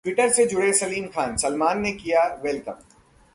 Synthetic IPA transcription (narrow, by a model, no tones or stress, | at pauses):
ʈwɪʈəɾsed͡ʒʊɽesɐliːmkʰaːnsɐlmaːnːekijaʋɛlkə̰̃m